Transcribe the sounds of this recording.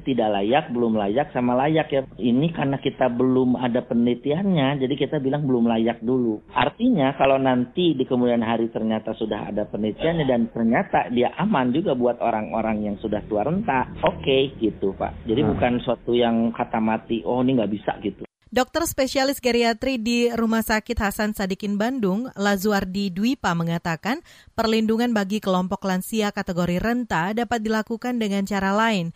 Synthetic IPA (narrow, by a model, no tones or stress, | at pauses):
t̪idaʔlajak̚bəlʊmlajak̚samalajakjainikarnakit̪abəlʊmadapənlit̪ianɲad͡ʒadikit̪abilaŋbəlʊmlajak̚duluʔart̪iɲakalownant̪idikəmudianɦaɾit̪ərɲat̪asudaɦa̰dapənlit̪ianɲadant̪ərɲat̪adiaʔamand͡ʒuɡabuat̪oɾaŋo̰ɾaŋjaŋsudaht̪uaɾənt̪aʔokeɡit̪upa̰ʔd͡ʒadibukansuat̪ujaŋkat̪amat̪iwɔniŋɡaʔbisa̰ʔɡit̪u | dɔk̚t̪ərspesialɪsɡaɾiat̪ɾidiɾumahsakɪt̪̚hasansadikɪnbandʊŋlazuardiduipaməŋat̪akanpərlinduŋanbaɡikəlɔmpɔklansiakat̪eɡoɾirənt̪adapat̪̚dilakukandəŋant͡ʃaɾalaɪn